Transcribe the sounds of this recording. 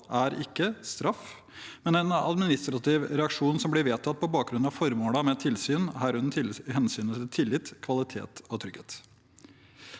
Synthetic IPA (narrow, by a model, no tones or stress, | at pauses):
ʔæɾɪkːəst̪ɾɑf | mɛnɛnɑ̰d̪mɪnɪst̪ɾɑt̪ɪʋɾɛɑkʂuːnsɔmblɪɾʋeːt̪ʰɑt̪̚ːpʰɔbɑːk̚ɡɾʉnɑʋfɔɾmoːlɑmɛt̪ʰɪlsyːnɦæɾʉnt̪ʰɪhɛnsyːnət̪ɪlt̪ʰɪlːɪt̪kʰʋɑlɪt̪ʰḛːt̪ɔt̪ʰɾʏɡ̥heːt̪